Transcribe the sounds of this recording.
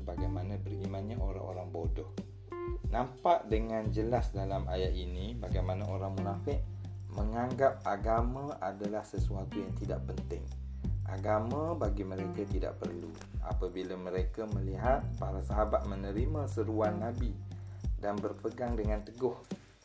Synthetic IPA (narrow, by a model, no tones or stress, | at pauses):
baɡajmanãbərimanɲaʔoɾa̰ʔoɾaŋbodɔh | nampaʔdəŋand͡ʒəlasdalamʔajaʔinĩbaɡajmanaoɾaŋmunafɪʔ | məŋaŋɡap̚aɡamãʔadalahsəsuat̪ujaŋt̪ida̰ʔpənt̪ɪŋ | ʔa̰ɡamãbaɡiməɾekat̪ida̰ʔpərlṵ | ʔa̰pabilaməɾekaməliɦat̪̚paɾasaɦabat̪̚mənəɾimãsəɾuanːabidanbərpəɡaŋdəŋãnt̪əɡʊh